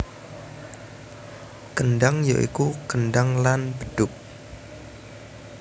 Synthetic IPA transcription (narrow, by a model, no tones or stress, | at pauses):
kənɖaŋja̰ʔḭkukənɖaŋlanb̥əɖ̥ʊk̚